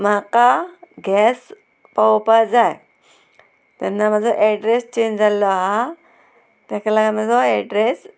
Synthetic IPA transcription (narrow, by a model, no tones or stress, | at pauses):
m̤akaɡʱɛs | pɔwpad͡zaj | t̪ɛnːam̤əd͡zɔʔɛɖɾest͡ɕẽɲd͡ʑalɔɦa | t̪jãkʰalaɡam̤ə̃d͡zɔɛɖɾes